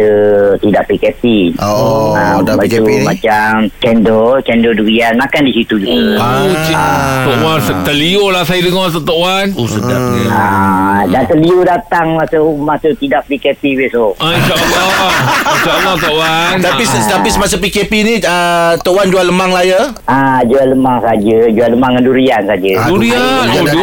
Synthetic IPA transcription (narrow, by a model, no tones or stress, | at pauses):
ət̪idaʔpikɛpi | aabaiumat͡ʃamkɛndɔkɛndoduɾianmakandisit̪ud͡ʒuɡaot͡ʃit̪oʔwansət̪əliolasajədəŋɔs̬ət̪oʔwanosədap̚adant̪əliudat̪aŋmasamasat̪idaʔ̚pikepibesoaint͡ʃaʔlait͡ʃaʔlat̪ɔʔwant̪apist̪aisəmas̬apikepiniət̪oʔwand͡ʒualəmaŋlajə | ad͡ʒualəmaŋsad͡ʒəd͡ʒualəmaŋaduɾiansad͡ʒəduɾianod